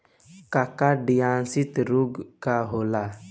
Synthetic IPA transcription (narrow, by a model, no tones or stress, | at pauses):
kakaɖijansit̪ɾuɡkaɦola